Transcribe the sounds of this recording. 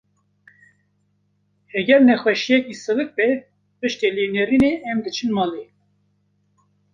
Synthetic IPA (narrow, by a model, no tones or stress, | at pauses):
hɛɡʲɛɾnɛxwɛʃijɛkisɨvɨk̚bɛ | pɨʃt̪eleːneɾineʔɛmd̪ɨt͡ʃʰɨnmɑːle